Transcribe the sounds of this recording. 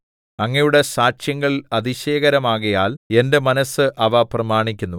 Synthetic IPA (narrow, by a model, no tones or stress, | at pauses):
ɐŋːɐjuɽe̞saːɕjɐŋːɐɭɐðiɕe̞ːɣɐɾɐmaːɣɐjaːle̞nde̞mɐnɐsɨʔɐʋɐprɐmaːɳikʲːunːu